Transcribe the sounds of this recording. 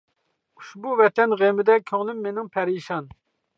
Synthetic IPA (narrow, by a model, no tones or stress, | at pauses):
u̥ʃbuvɛt̪ʰɛnʁemɪd̪ɛkʲʰøŋlˠymːenɪŋpʰɛɾiʃɑn